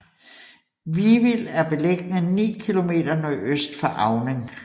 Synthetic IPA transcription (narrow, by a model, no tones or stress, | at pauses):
ʋiʋilæɐb̥e̝leɡ̥nənḭːkʰilo̝me̝̰ːd̥ɐnɒøsd̥fɑ̈ʔɑ̈ʊnəŋ